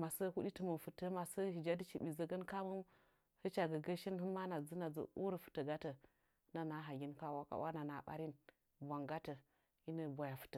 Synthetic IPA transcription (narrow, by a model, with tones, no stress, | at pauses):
ma˨sə˦hu˦ɗi˦tə˦mə˨nfu˨tə˦ma˨sə˦hi˨d͡ʒa˦di˦t͡ʃi˨bi˨zə˦ɡə˦nka˦mu˦ | hə˦t͡ʃa˨ɡə˨ɡə˦ʃi˦nɦə˦ma˦na˨d͡zə˦na˨d͡zə̰˨ṵ˦ɾə˦fu̥˨tə˨ɡa˦tə˨˦ | na˨na˨˦ɦa˨ɡʲi˦nka˦wa˦ka̰˨wa̰˦na˨na˨ɓa̰˦ɾi˦n | bʷa˨ŋɡa˦tə˨ | i˦nə˨bʷa˨ja˨fu̥˨tə˨